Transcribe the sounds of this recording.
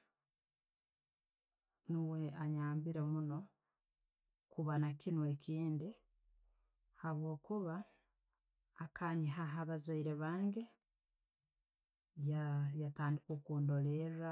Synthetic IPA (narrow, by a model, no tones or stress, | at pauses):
niwe̞aɲaːmbiɾemuno̞ | kuβanakinwe̞kʰiːndi | haβwo̞ːkuβa | kʰaɲiɦaɦaβazaiɾeβaːŋɡe̞ | jajataːndikokuːndo̞leɾa